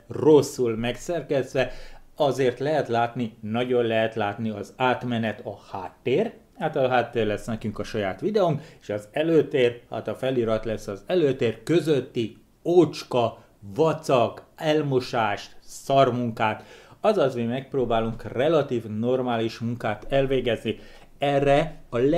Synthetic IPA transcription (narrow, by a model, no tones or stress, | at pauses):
ro̞sːulmɛksɛrkɛzʋɛɒzeːrt̪lɛɦɛt̪laːt̪ninɒɟo̞nlɛɦɛt̪laːt̪niɒzaːt̪mɛnɛt̪ɒhaːt̪ːeːr | haːt̪ɒɦaːt̪ːeːrlɛsnɛkyŋkɒʃɒjaːt̪ʋid̪ɛuŋkeʃɒzɛløːt̪eːrha̰ːt̪ɒfɛliɾɒt̪lɛsːɒzɛløːt̪eːrkø̞zøt̪ːi | oːt͡ʃkɒ | vɒt̪sɒkɛlmoʃaːʃt̪sɒrmuŋkaːt̪ɒzɒzmimɛk̚proːbaːluŋkrɛlɒt̪iːvno̞rmaːliʃmuŋkaːt̪ɛlveːɡɛzni | ɛrːɛɒ